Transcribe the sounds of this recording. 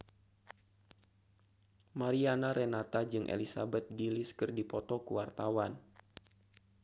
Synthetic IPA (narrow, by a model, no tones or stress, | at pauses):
maɾianaɾʔɛnat̪ad͡ʒɨŋʔḛlisabɛt̪̚ɡilɪskɨrdipɔt̪ɔkuwart̪awan